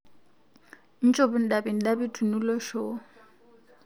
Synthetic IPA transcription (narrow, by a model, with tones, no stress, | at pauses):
n̩˦t͡ʃʼo˦bʊ˦n̩˨da˨bi˨n̩˨da˦bi˦tʼu˨nu˦lɔ˦ʃo˦